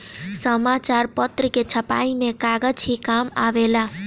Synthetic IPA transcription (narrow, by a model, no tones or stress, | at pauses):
səmat͡ʃaɾpət̪ɾəket͡ʃʰəpa̰ːimẽkaɡəd͡ʒɦikama̰ʋelaː